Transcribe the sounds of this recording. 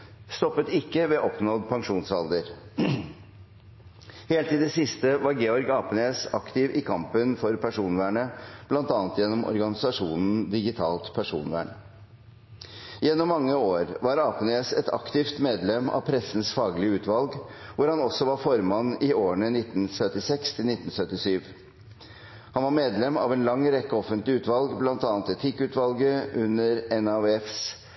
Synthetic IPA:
st̪ɔpːət̪ɪkːəʋɛʔɔpnɔd̪pʰɑŋʂuːnsɑld̪əɾ | heːlt̪ɪd̪ɛsɪst̪əʋɑɾɡeːɔɾɡɑːpəneːsɑkt̪ɪʋʔɪkʰɑmpənfɔɾpʰæʂuːnʋæːɳəb̥lɑnt̪ɑːnət̪jɛnːɔmʔɔ̰ɾɡɑnɪsɑʂuːnn̩d̪ɪɡɪt̪ʰɑːlt̪pʰæʂṵːnʋæ̰ːɳə | jɛnːɔmːɑŋːəoːɾʋɑɾɑːpəneːsɛt̪ʰɑ̰kt̪ɪft̪meːd̪lɛmːɑ̰ʋpʰɾɛsn̩sfɑːɡlɪəʉːt̪ʋɑlɡʋʊɾhɑnɔsɔʋɑɾfɔɾmɑnːɪoːəɳənɪt̪n̩sœt̪ɪsɛkst̪ʰɪlnɪt̪n̩sœt̪ɪsyːʋ | hɑnʋɑɾmeːd̪lɛmːɑ̰ʋɛːnlɑŋːɾɛkːəɔfənt̪lɪʉːt̪ʋɑlɡblɑnt̪ɑːnt̪ɛt̪ʰɪkːʉːt̪ʋɑlɡəʔʉnːəɾɛnɑʋɛfs

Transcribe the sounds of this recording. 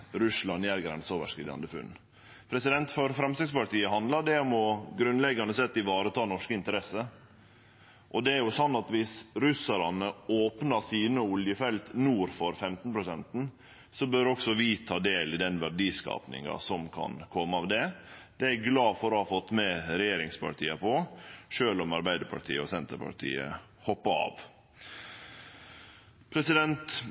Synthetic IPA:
ɾʉslɑnjæɾɡɾɛ̰nsoːʋə̰ʂkɾɪ̰ːd̪ɑ̰nd̪əfʉ̰n | pʰɾɛsɪd̪ɛnt̪fɔɾfɾɛmst̪ɪɡspʊlt̪ʰiːəɦɑnd̪lɑɖɛɔmɔɡɾʉnlɛɡːɑnəsɛt̪ːɪʋɑːɾət̪ʰɑːnɔʂkəɪnt̪əɾɛsːə | ʔɔd̪ɛæɾjʊsɔnːɑt̪ʋɪsɾʉsəɾɑnəoːpnɑsiːnəʊljəfɛlt̪nuːɾfɔɾfɛmt̪n̩pʰɾʊsɛnt̪n̩ | sɔbøɾɔksɔʋɪt̪ʰɑːd̪eːlɪd̪ɛnʋæɖiːskɑ̰ːpnɪ̰ŋɑ̰sɔmkʰɑ̰nkʰɔmːəɑʋd̪ɛd̪̥ɛæɾɡlɑːfɔɾɔhɑfɔt̪ːmɛɾɛjeːɾɪŋspʰɑ̰ʈʰiːəpʰɔʂøːlɔmɑɾbæɪd̪əɾpʰɑ̰ʈʰḭːəɔsɛnt̪əɾpʰɑ̰ʈʰḭːə̰ | hɔpːɑɑ̰ːʋ | pʰɾɛsɪd̪ɛnt̪

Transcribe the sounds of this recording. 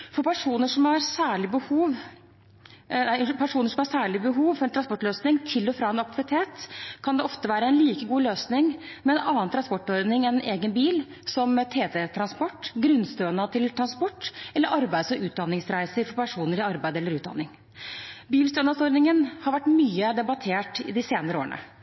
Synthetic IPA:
fɔɾpʰæʂuːnəʂɔmhɑɾsæːɭɪbəhuːʋ | næɪpʰæʂuːnəʂɔmhɑʂæːɭɪbəɦuːʋfɔɾɛnt̪ʰɾɑnspɔʈløːsnɪŋt̪ʰɪlːɔfɾɑːɛnɑk̚t̪ʰɪʋɪt̪ʰeːt̪kʰɑnd̪ɛʔɔft̪əʋæːɾəɛnliːkəɡuːløːsnɪŋ | mɛɛnɑːənt̪ɾɑnspɔʈːɔɾd̪nɪŋɛnʔeːɡənbiːl | sɔmt̪ʰeːt̪ʰɛt̪ʰɾɑnspɔʈːɡɾʉnst̪øːnɑt̪ʰɪlt̪ʰɾɑnspɔʈːʔɛlːəɾʔɑɾbæɪd̪sɔʔʉːt̪̚d̪ɑnːɪŋsɾæɪsəɾfɔɾpʰæʂuːnəɾɪɑɾbæɪd̪əɛlːəɾʉːd̪ɑ̰nːɪŋ | biːlst̪øːnɑsɔɾd̪nɪŋənhɑɾʋæʈːmyːəd̪ɛbɑt̪ʰeːʈɪ̰d̪ɪseːnəɾəo̰ːəɳə̰

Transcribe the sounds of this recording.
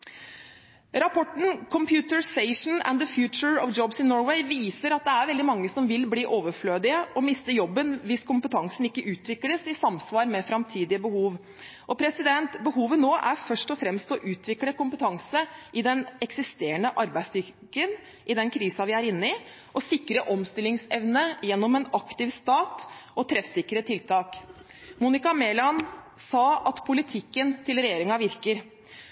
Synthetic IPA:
ɾɑpʰɔʈɳ̩n̩kʰɔmpʰjʉːt̪əɹsɛɪʂn̩ɛ̰nðəfjʉːt͡ʃəɹɔʋd͡ʒɔbsɪnɔɹwɛɪʋiːsəɾɑt̪̚d̪ɛæɾʋɛld̪ɪmɑŋːəsɔmʋɪlbliːʔoːʋəɾfløːd̪ɪəʔɔmɪst̪əjɔbːənʋɪskʊmpət̪ʰɑŋsən̩ɪkːəʔʉːt̪ʰʋɪkləsɪsɑmsʋɑːɾmɛfɾɑmt̪ʰiːd̪ɪəbəhuːʋ | ʔɔpʰɾɛsɪd̪ɛnt̪bəɦuːʋənoːʔæɾfœʂʈɔfɾɛmst̪ɔʔʉːt̪ʰʋɪkləkʊmpət̪ʰɑŋsəʔɪd̪ɛnɛksɪst̪eːəɳəʔɑɾbæɪslʏkːən | ʔɪd̪ɛnkʰɾiːsɑʋɪæɾɪnːəɪ | ʔɔsɪkːɾəʔɔmst̪ɪlɪŋsɛʋnəjɛnːɔmɛnɑkt̪ɪʋst̪ɑːt̪ɔt̪ʰɾɛfsɪkːɾət̪ʰɪlt̪ʰɑːk | muːnɪkɑmeːlɑnsɑːɑt̪pʰʊlɪt̪ʰɪkːənt̪ʰɪlɾɛjeːɾɪŋɑʋɪɾkəɾ

